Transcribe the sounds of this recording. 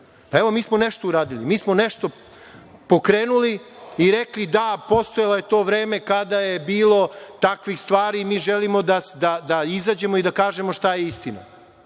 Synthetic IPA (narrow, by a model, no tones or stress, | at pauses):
paeʋomiːsmoneʃt̪ouɾaːd̪ilḭmiːsmo̞neʃt̪o̞ | po̞kɾeːnuliiɾeklid̪apo̞st̪o̞jeloje̞t̪o̞ːʋɾeːme̞kad̪aje̞biːlˠo̞t̪akʋixst̪ʋaːɾimiːʒelimo̞d̪asd̪ad̪aizaːd͡ʑe̞mo̞id̪akaːʒe̞mo̞ʃt̪ajeist̪ina̰